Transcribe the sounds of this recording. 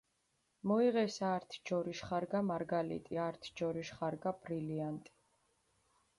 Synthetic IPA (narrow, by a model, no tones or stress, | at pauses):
mɔiʁɛsaɾt̪ʰd͡ʒɔɾiʃχaɾɡamaɾɡalḭt̪ʼiaɾt̪ʰd͡ʒɔɾiʃχaɾɡab̥ɾiliant̪ʼi̥